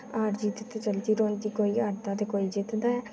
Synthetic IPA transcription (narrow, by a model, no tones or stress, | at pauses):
aːɾd͡ʒiːt̪ɪt̪et͡ʃəld̪iːɾõːĩd̪iːkoːiːaɾd̪ãːd̪eːkoːiːd͡ʒɪt̪d̪aːɛː